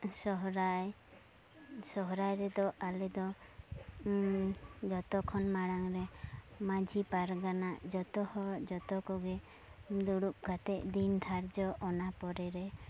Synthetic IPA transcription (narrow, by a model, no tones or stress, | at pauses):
sɔɦɾaj | sɔɦɾajɾɛd̪ɔʔalɛd̪ɔ | d͡ʒɔt̪ɔkʰɔnmaɽaŋɾɛmad͡ʒʱipaɾɡanaʔd͡ʒɔt̪ɔhɔd͡ʒɔt̪ɔkɔɡɛ | d̪uɽukɡat̪ɛʔd̪int̪ʰaɾd͡ʒɔʔɔnapɔɾɛɾɛ